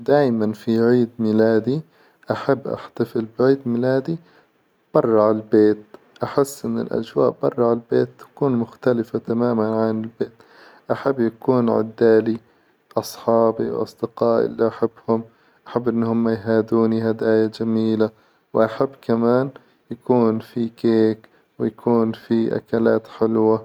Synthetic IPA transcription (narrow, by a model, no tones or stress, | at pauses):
d̪aːjmanfiʕiːd̪mɪlaːd̪i | ʔaħabːʔa̰ħt̪afɪlbɪʕiːd̪mɪlaːd̪i | b̥ɑrˤːʕallbeːt̪ | ʔaħɪsːʔɪnːɪ̰lʔa̰d͡ʒwa̰ːʔbɑ̰rˤːɑʕalbeːt̪ːḁkuːnmʊxt̪alɪfat̪amaːmanʕanɪlbeːt̪ | ʔaħabːjakuːnʕɪ̰d̪ːaːli | ʔɑsˤħɑːbiwʔɑ̰sˤd̪ɪqɑːʔḭlːiʔaħabːhʊm | ʔaħabːʔɪnːhʊmːajɦaːd̪uːniɦad̪ʔaːjad͡ʒamiːla | wʔaħabːkamaːn | jakuːnfikeːk | wɪjakʰuːnfiʔa̰kalaːt̪ħɪlwa